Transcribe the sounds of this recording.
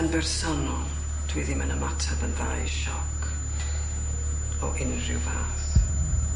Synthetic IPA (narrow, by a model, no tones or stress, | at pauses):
ənbɛrsɔnɔlˠ | d̥wɪðɪmanəmatʰabənðajʃɔkʰ | ɔʔɪnrɪ̰wvaːθ